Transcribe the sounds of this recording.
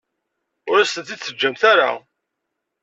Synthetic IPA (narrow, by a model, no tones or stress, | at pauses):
ʊɾæsənt̪it͡sːəd͡ʒːæmθæɾa̰